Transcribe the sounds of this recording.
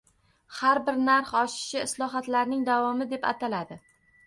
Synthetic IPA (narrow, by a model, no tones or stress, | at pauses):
haɾbɪɾnaɾχɒʃɪ̥ʃɪːslˠɒɦat̪laɾnɪŋd̪avɒmɪd̪e̞pa̰t̪ʰalad̪ɪ